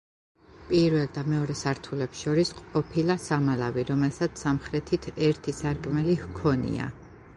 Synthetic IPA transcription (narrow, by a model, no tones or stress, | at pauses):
pʼiɾvɛlˠd̪amɛɔɾɛsaɾt̪ʰulɛpsʃɔɾisqʼɔpʰilˠasamalaviɾɔmɛlˠsat̪ʰsamχɾɛt̪ʰit̪ʰɛɾt̪ʰisaɾkʼmɛlihkʰɔnḭa̰